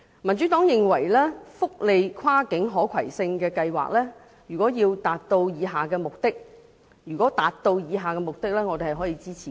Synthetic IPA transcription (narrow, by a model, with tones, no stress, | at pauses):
mɐ˨˩nt͡ʃy˨˦˥t̪ɔː˨˥ŋjɪ˨ŋwɐ˨˩jlɛː˥fʊ˥k̚le˨˧jkʰwaː˥kɪ˨˥ŋɦɔː˨˥kʰɐ˨˩jsɪ˧ŋkɛː˧kɐ˧jwa̰ː˨k̚lɛː˥ | jyː˨˩kɔː˨˥jiː˧wt̪aː˨t̚t̪o˧wjiː˨˧ɦaː˨kɛː˧mʊ˨k̚t̪ɪ˥k̚ | jy˨˩kʷɔː˨˥t̪aː˨tt̪o˧wjiː˨˧ɦaː˨kɛː˧mʊ˨k̚t̪ɪ˥k̚lɛː˥ŋɔː˨˧t̪e˨hɐ˨jɦɔː˨˥jiː˧t͡siː˥t͡sʰi˨